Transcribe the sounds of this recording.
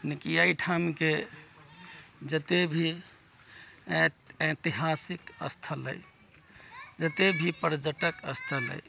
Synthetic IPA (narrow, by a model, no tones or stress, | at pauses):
nikijaiʈʰamke | d͡ʒət̪ebʱi | et̪iɦasikə̰st̪ʰələ̰j | d͡ʒət̪ebʱipəɾd͡ʒəʈəkəst̪ʰələ̰j